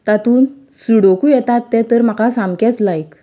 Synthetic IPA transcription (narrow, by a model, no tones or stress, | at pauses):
t̪at̪uːn | suɽokujɛt̪at̪ːɛ̃t̪əɾm̤akasãmkɛt͡slajk